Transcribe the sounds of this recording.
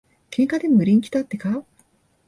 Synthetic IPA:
kʰẽ̞ŋkad̪e̞mɯɾʲĩŋkʲi̥d̪at̪ːe̞ka

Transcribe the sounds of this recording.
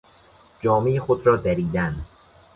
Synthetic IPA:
d͡ʒɒːmeexod̪ɾɒːd̪æɾiːd̪æn

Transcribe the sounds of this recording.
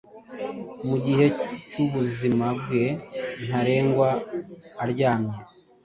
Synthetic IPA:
muɟihe̞cuβuzimabɡe̞n̥haɾe̞ːŋɡwaː | ɾɟaːmiɾ

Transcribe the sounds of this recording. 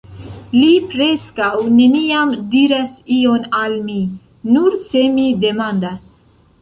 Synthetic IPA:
lipɾeskawneniamd̪iɾasionalmi | nuɾsemid̪emand̪as

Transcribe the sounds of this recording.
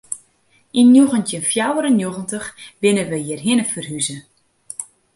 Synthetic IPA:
injoɣəntjənfjawəɾənjoɣəntəxʋɪnəʋəjiərɦɪnəfərɦyzə

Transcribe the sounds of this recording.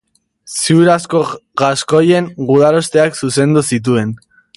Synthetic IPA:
siuɾasko̞ɣasko̞je̞ŋɡuðaɾo̞st̪e̞aksuse̞nd̪usit̪̬ue̞n

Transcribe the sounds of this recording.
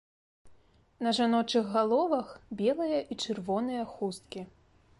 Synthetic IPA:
nɐʐanɔt͡ʂɨɣɣalˠɔvɐxbʲɛlˠɨjɐʔit͡ʂɨrvɔnɨjɐxust̪̚kʲi

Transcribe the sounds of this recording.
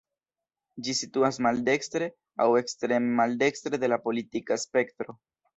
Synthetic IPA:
d͡ʒisituasmalde̞kstɾe̞ | a̰we̞kstɾe̞mmalde̞kstɾe̞de̞lapo̞litikaspe̞ktɾo̞

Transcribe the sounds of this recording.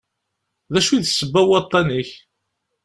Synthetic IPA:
ðæʃwiðsːəbːæwɑt̪ˤːɑniç

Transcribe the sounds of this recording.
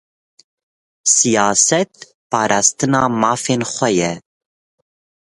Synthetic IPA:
sijɑːsɛt̪̚ | pɑːɾʔɑːst̪ɨnɑːmɑːfeːnxʷɛjɛ

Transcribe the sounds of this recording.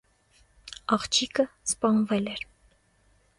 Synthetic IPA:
ɑχt͡ʃʰikəspɑnvɛlɛɾ

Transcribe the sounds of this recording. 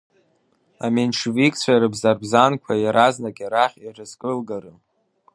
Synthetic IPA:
amenʈ͡ʂʰvikʼt͡sʷʰaɾɨbzarbzankʷʰajaɾaznakʼaɾaχʲirɨzkʼɨlɡaɾɨ

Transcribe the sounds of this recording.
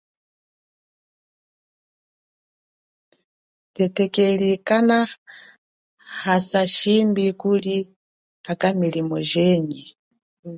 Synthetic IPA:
tɛtɛkɛlikana | hasaʃimbikuli | akamilimɔ̰ʒɛɲɛ

